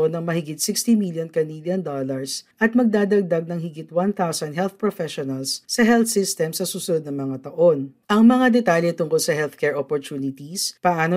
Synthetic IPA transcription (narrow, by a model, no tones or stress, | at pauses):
onɐŋmɐhɪɡɪt̪̚sɪkst̪imiljonkɐniljɐnd̪olɐɹsʔɐt̪̚mɐɡ̚d̪aːd̪ɐɡ̚d̪ɐɡ̚nɐŋhɪɡɪt̪want̪awsɐnɦɛlθpɹofɛʃonɐlsːɐɦɛlθsɪst̪ɛmsɐsuːsʊnod̪nɐŋmɐŋat̪ɐʔo̞nʔɐŋmɐŋad̪ɛt̪aːljɛt̪ʊŋkolsɐhɛlθkɛɹʔopoɹt̪uːnɪt̪ispɐʔaːno